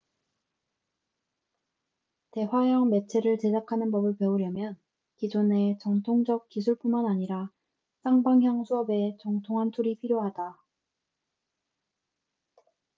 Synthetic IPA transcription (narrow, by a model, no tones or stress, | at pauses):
te̞wajʌŋme̞t͡ɕʰe̞ɾɯɭt͡ɕe̞dakʰanɯnpʌbɯɭpe̞uɾjʌmjʌn | kid͡ʑone̞t͡ɕʌŋtʰoŋd͡ʑʌk̚k͈isʰuɭp͈unmanaɲiɾa | s͈ʰaŋbaŋjʌŋsʰuʌbe̞t͡ɕʌŋtʰoŋɦantʰuɾipʰiɾjoɦada